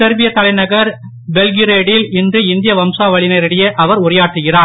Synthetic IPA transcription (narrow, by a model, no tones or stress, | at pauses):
tɛɾbɪjɐt̪ːɐlɐɪnɐɣɐɾ | bɛlɡɪɾeːɽɪlɪndrɯɪnd̪ɪjɐʋɐmsaːʋɐɭɪnɐɪɾɐɽɐjɐʔɐʋɐɾʊrɐjaːʈrɯɣɪraː